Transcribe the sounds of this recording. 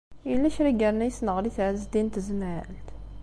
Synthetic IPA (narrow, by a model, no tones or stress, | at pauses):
ilːæçɾæɡəɾnæjəsnəʁɾiθʕəzd̪int̪zmʕəlt̪